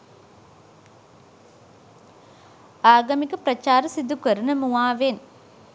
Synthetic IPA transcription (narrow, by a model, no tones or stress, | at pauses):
aːɡɐmikɐpɾɐt͡ʃaːɾɐsid̪ukɐɾunɐmuʋaːʋen